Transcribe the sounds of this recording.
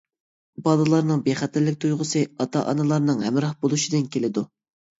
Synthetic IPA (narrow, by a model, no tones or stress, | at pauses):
bɑlˠɨlˠɑɾnɨŋbeχæt̪ʰæɾlːɪk̚ʲt̪ʰujʁʊsɨɑt̪ʰɑ̰ʔɑ̰nɨlˠɑɾnɨŋɦɛmɾɑhbolˠuʃid̪ɨnkʲelɪd̪u